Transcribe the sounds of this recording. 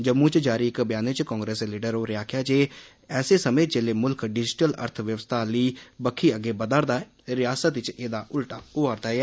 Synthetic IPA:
d͡ʒəmːũːt͡ʃd͡ʒaːɾiːɪkbjaːnet͡ʃkɔ̃ːŋɡɾeːsliːɖəɾoːɾɪjaːkʰjaːt͡ʃeː | ɛːseːsəmẽːd͡ʒeːleːmʊlkʰɖɪd͡ʒʈələ̰ɾt̪ʰʋjəʋəst̪ʰaːliːbəkʰːiːəɡeːbəd̪əɾd̪aːɛ | ɾɪjaːsət̪ɪt͡ʃeːd̪aːʔʊlʈaːʊaːɾd̪aːeɛː

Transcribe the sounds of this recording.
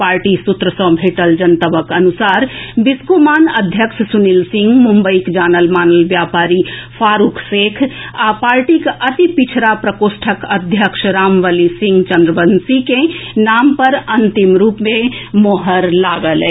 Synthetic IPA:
paːɾʈisut̪ɾəsɔ̃bʱeːʈəld͡ʒənt̪əbəkɐnusaːɾbɪskomaːnɐd̪ʱjəkʃsunilsɪ̃ŋɡmumbəikd͡ʒaːnəlmaːnəlʋjaːpaːɾipʰaːɾuːkʰseːkʰapaːɾʈikʔɐt̪ipit͡ʃʰɾapɾəkoːsʈʰəkəd̪ʱjəkʃɾaːmʋəlisɪ̃ŋɡt͡ʃə̃nd̪ɾəbənsikenaːmpɐɾɐnt̪imɾuːpmẽmoɦəɾlaːɡəle

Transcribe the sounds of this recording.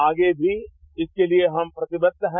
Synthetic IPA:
aːɡebʱi | ɪskelieɦɐmpɾɐt̪ɪbəd̪ɦɛ̃

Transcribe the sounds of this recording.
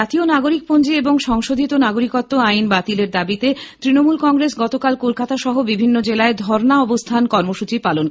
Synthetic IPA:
at̪ionaɡoɾik̚pond͡ʑieboŋʃɔŋʃod̪ʱit̪onaɡoɾikot̪ːoajnbat̪ileɾd̪abit̪et̪ɾinomulkɔŋɾesɡɔt̪okalkolkat̪aʃɔɦobibʱinːod͡ʑelaed̪ʱɔɾnaɔbost̪ʰankɔɾmoʃut͡ɕipalon

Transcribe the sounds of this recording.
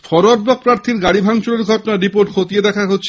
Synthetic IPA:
fɔɾoɾ̚bɔk̚pɾaɾt̪ʰiɾɡaɽibʱaŋt͡ɕoleɾɡʱɔʈonaɾipoɾʈkʰot̪ied̪ɛkʰaɦotːɕʰe

